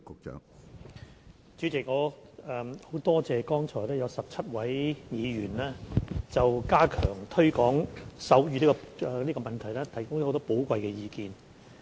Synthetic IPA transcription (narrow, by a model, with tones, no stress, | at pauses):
kʊ˨k̚t͡ʃœ̰ː˨˥ŋ | t͡ʃy˨˥t͡sɪ˨k̚ŋɔː˨˧ɛː˨mho˨˥wt̪ɔː˥t͡sɛː˨˧kɔː˥ŋt͡ʃʰɔː˨˩jlɛː˥jɐ˨˧wsɐ˨p̚t͡sʰɐ˥t̚wɐ˨˥jjiː˨˧jyː˨˩nlɛː˥t͡sɐ˨wkaː˥kʰœː˨˩ŋt̪ʰɵ˥kɔː˨˥ŋsɐ˨˥wjyː˨˧niː˥kɔ˧ɛ˨˧niː˥kɔ˧mɐ˨˩nt̪ʰɐ˨˩jlɛː˥t̪ʰɐ˨˩jkʊ˥ŋj̪ːo˨˥t̪ɔː˥po˨˥wkʷɐ˨˧jkɛ˧jiː˨˧kiː˧n